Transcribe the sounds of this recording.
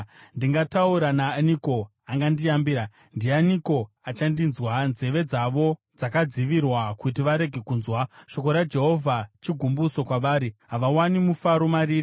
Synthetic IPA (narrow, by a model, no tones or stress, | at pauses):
ndiŋɡatauɾanaːniko̞ | aŋɡandiambiːɾa | ndianiko̞ | at͡ʃandinzwanze̞ʋe̞d͡zaʋo̞ | d͡zakad͡ziʋirwakutiʋaɾe̞ɡʱe̞kuːnzwaʃo̞ko̞ɾad͡ʒe̞ɦo̞vʱat͡ʃiɡʱumbuso̞kwaʋaːɾiɦaʋawanimufaɾo̞maɾiːri